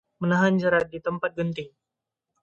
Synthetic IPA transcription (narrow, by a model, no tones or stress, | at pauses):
mənaɦand͡ʒəɾat̪̚dit̪əmpat̪̚ɡənt̪ɪŋ